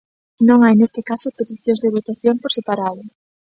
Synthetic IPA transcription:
nõŋajnest̪ekasopet̪iθjõzðeβot̪aθjompoɾsepaɾaðʊ

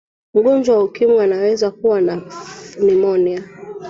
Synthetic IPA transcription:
m̩ɠɔnd͡ʒwawaukimianawɛzakuwananimɔnia

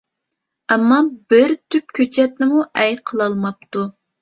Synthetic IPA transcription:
ɛmːɑbɪɾt̪ʰyp̚kʲʰøt͡ʃʰɛt̪̚nɪmuʔɛjqʰəlˠɑlˠmɑp̚t̪u

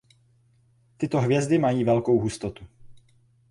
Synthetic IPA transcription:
t̪ɪt̪o̞ɦvjɛzd̪ɪmajiːvɛlko̞wɦust̪ot̪u

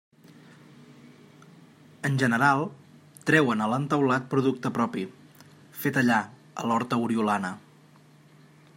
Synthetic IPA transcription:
ənʲʒənəɾalˠ | t̪ɾɛwənələnt̪əwlat̪̚pɾuðuk̚t̪əpɾɔpi | fet̪əʎa | ə̰lɔɾt̪əuɾiulanə

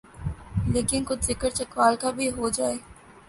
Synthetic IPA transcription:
leːkɪnkʊd̪zɪkəɾt͡ʃɐkʋaːlkabʱiɦoːd͡ʒaːeː

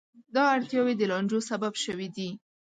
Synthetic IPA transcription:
d̪ɑaɽt̪jɑwed̪əlɑnd͡ʒosababʃəwid̪i

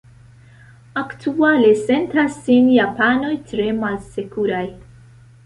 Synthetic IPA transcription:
aktʰuale̞se̞ntasːinjapano̞jtɾe̞malse̞kuɾaj

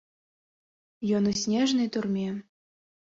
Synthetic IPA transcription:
jɔnusʲnʲɛʐnɨjt̪urmʲɛ

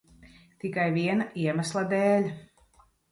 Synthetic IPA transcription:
t̪ikajviɛnaʔiɛmaslˠad̪eːlʲ

